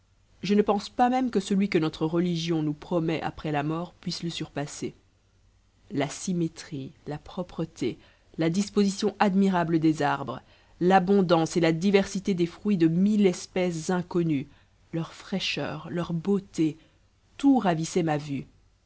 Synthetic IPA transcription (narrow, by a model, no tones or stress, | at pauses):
ʒənəpɑ̃spamɛmkəsəlɥikənɔt̪χəʁəliʒjɔ̃nupχɔmɛʔa̰pχɛlamɔːʁpɥisləsyʁpase | lasimet̪χilapχɔpχət̪e | lad̪ispozisjɔ̃ʔad̪miʁabləd̪ezaʁbʁə | labɔ̃d̪ɑ̃selad̪ivɛʁsit̪ed̪efχɥid̪əmilɛspɛs̬zɛ̃kɔny | lœʁfχɛʃœ̰ːʁlœʁbot̪e | t̪uʁavisɛmavy